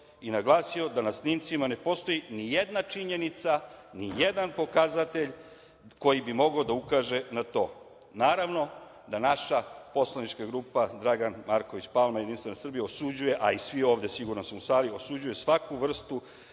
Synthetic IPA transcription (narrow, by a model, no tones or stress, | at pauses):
inaɡlˠaːsio̞d̪anasnimt̪simane̞po̞st̪o̞jinijed̪nat͡ʂiɲe̞nit̪sanijed̪anpo̞kazat̪e̞ʎ | ko̞jibimo̞ɡaod̪aukaːʒe̞nat̪o̞ː | naːɾaʋno̞ | d̪anaʃapo̞slˠanit͡ʃkaɡɾuːpad̪ɾaɡanmaɾkoʋit͡ɕpalmajed̪inst̪ʋe̞nasr̩bijaosud͡ʑuje̞ʔaisʋio̞ːʋd̪e̞siɡuɾnosusaːlio̞sud͡ʑuje̞sʋakuʋr̩st̪u